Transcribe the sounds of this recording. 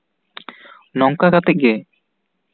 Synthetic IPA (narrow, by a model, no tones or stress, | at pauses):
nɔŋkaɡat̪ɛc̚ɡɛ